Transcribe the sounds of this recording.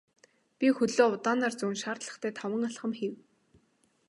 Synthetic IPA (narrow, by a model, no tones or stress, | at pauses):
pʲixɵɮoːʊt̪aːnart͡suːnʃaːrt̪ɮə̥̆χt̪ʰæːt̪ʰɔwə̆ŋaɮχə̆mxiw